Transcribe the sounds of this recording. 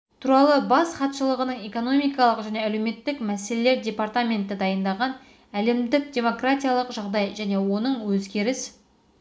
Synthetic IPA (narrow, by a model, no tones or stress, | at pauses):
t̪ʰuɾɑlˠəbɑsχɑt̪ʃəlˠəʁənəɴe̞ko̞no̞mʲijkɑlˠəqʒæne̞ælewme̞t̪ːɪkmæse̞lele̞ɾdʲe̞part̪amʲe̞nt̪ɪd̪ɑjənd̪ɑʁɑn | æle̞md̪ɪk̚dʲe̞mo̞kratʲijalˠəqʒɑʁd̪ɑjʒæne̞wo̞nəɴwɵzɡʲe̞ɾɪs